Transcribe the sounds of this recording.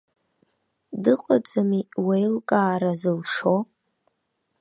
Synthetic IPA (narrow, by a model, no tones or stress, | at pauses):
dɨqʷʼat͡sʼamiwejlkʼaːɾazɨlʂo